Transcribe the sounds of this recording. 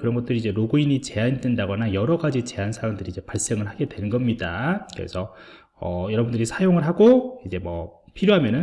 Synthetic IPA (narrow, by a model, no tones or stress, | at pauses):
kɯɾʌnɡʌt͈ɯɾiid͡ʑe̞ɾoɡuiɲit͡ɕe̞anidwendaɡʌnajʌɾʌɡad͡ʑit͡ɕe̞ansʰaɾaŋdɯɾiːd͡ʑe̞paɭs͈e̞ŋɯɭhaɡe̞dwe̞nɯnɡʌmɲidakɯɾḛsʰʌ | ʌ̰jʌɾʌbundɯɾisʰajoŋɯɭɦaɡoid͡ʑe̞mwʌ̰pʰiɾjoɦamjʌnɯn